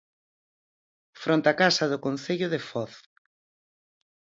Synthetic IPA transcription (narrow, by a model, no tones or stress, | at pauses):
fɾont̪akasɐðʊkonθeʎʊðefɔθ